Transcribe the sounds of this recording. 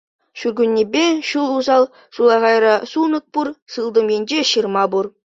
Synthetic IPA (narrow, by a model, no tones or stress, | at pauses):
ʃuɾɡʲʉnʲːebeʃulˠuzɑlˠ | ʃulˠɑʁɑjɾɑsunək̚puɾsɯlˠd̪əmend͡ʒeʃiɾmɑbuɾ